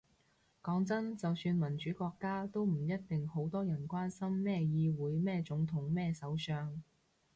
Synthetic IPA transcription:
kɔː˨˥ŋt͡sɐ˥nt͡sɐ˨wsyː˧nmɐ˨˩nt͡ʃyː˨˥kɔː˧kːaː˥t̪o˥wm̩˨˩jɐ˥t̚t̪ɪ˨ŋho˨˥wt̪ɔː˥jɐ˨˩nkʷaː˥nsɐ˥mːɛː˥jiː˧wuː˨˥jmɛː˥t͡sʊ˨˥ŋt̪ʰʊ˨˥ŋmɛː˥˧sɐ˨˥wsœː˧ŋ

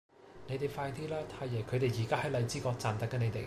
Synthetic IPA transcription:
ne˨˧˥jt̪e˨jfaː˧jt̪iː˥laː˥t̪ʰaː˧jːɐ˨˩jkʰɵ˨˧ɥt̪e˨jjiː˨˩kaː˥hɐ˨˥lɐ˨˧jt͡siː˥kɔː˧k̚t͡saː˨nt̪ɐ˦˥kːɐ˨˧ne˨˧jt̪ḛ˨j

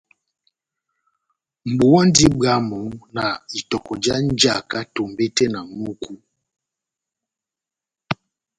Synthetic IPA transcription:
m̩˨bu˨wɔ˦ndi˦ba˦mɔ˨˦na˨i˨tɔ˨kɔ˨d͡ʒa˦n˦d͡ʒa˨ka˦to˨mbɛ˦tɛ˦na˨mu˦ku˦

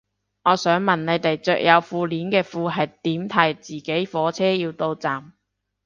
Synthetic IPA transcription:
ŋɔː˨˧sœː˨˥ŋmɐ˨˩nne˨˧jt̪e˨jt͡sœː˨k̚jʔɐ˨˧wfuː˧liː˨˥nkɛː˧fuː˧ɦɐ˨jt̪iː˨˥mt̪ʰɐ˨˩jt͡siː˨˩ke˨˥jfɔː˨˧˥t͡sʰɛː˥jiː˧wt̪o˧wt͡saː˨˩m

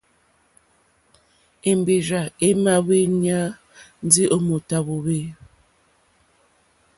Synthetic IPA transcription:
e˨mbe˨ɾa˨e˦ma˦βe˦ɲa˦ | n̩˦di˦ʔo˦mo˨ta˦βo˨βe˦

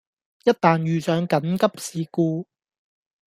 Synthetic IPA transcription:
jɐ˥t̚t̪aː˨njyː˨sœː˨˥ŋkɐ˨˥nkɐ˥p̚siː˨˧kuː˧

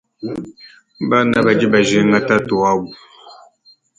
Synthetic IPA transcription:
ba˦na˨ba˨d͡ʒi˦ba˨ʒe˨˦ŋa˦ta˦to˨a˦bu˨

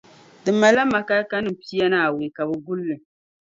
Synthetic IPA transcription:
dɨ˨mːa˨la˦ma˨ka˦ka˦nɨ˦m̩˨pi˦ja˦naː˨we˨ka˨bɨ˨ɡʊ˦lːɨ˨

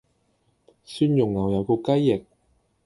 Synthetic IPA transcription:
syː˥njʊ˨˩ŋjɐ˨wjɐ˨˧wko˧kɐ˥jːɪ˨˩k̚

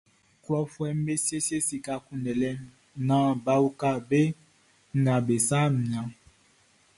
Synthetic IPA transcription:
klɔ˦fwɛ˦m̩˦be˦si˦e˦si˦e˦si˨ka˨kũ˦ndɛ˨lɛ˦ | nã˨˦ba˦u˦ka˦be˦ | ŋ̩˦ɡa˨be˨sa˦mi˨ã˨˦

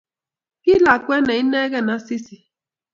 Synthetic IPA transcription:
ki˦la˨kʷe˦na˨i˦ne˦ɣe˦˨na˨˦si˦si˨

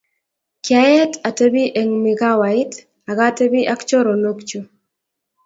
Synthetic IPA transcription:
kja˦jɛ˦ta˨te˦bi˦ʔe˨ŋmɪ˨ɡa˦wa˨ɪ˦t | a˨ɡa˦te˦bi˦ʔa˦kt͡ʃo˦ɾo˨no˦kt͡ʃo˨

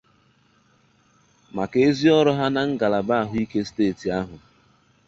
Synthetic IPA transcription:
ma˨ke˨e˦zi˦ɔ˦ɾɔ˦ɦa˦na˨ŋ̩˦ɡa˨la˨ba˦a˨ɦʊ˨˦i˦ke˦steː˦˨ti˨a˦ɦʊ˨

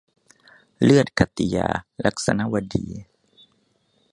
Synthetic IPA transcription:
lɯ˥˩ət̪̚kʰa˧˩t̪i˧ja̰ː˧la˦˥k̚sa̰˧na˦˥wa˧diː˧

